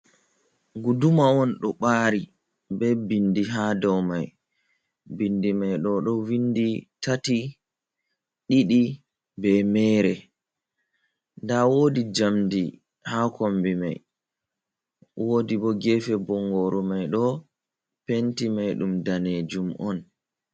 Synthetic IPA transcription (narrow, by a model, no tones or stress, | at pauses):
ɡudumaɔnɗɔɓaːɾi | bɛbindiɦadɔwmaj | bindimajɗɔɗɔwinditati | ɗiɗi | bɛmɛːɾɛ | ndawoːdid͡ʒamdi | hakombima̰j | woːdiɓɔɡɛfɛbɔŋɡɔɾɔmajɗɔ | pentimajɗumdaned͡ʒumʔɔ̰n